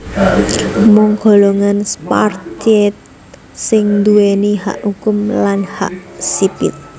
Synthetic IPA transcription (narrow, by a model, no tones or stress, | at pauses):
mɔŋɡ̥o̤loŋanspa̰rtɛt̪̚ | sɪŋnd̪uweniɦa̰ʔhukʊmlanha̰ʔsipɪ̰t̪̚